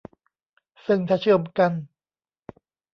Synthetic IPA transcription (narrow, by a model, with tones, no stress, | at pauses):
sɯ˧˩ŋt̪ʰaː˧˩t͡ɕʰɯː˧˩əmka˧n